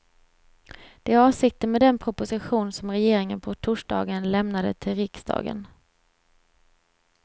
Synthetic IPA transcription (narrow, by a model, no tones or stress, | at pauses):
d̪̥ɛæɾɑːvsɪk̚t̪ənmɛːd̪ɛnpʰɾʊpʊsɪɧuːnsɔmɾɛjeːɾɪŋənpʰɔt̪ʰʊʂɖɑ̰ːɡənlɛmnad̪ə̰t̪ʰɪlɾɪksd̪ɑ̰ːɡə̰n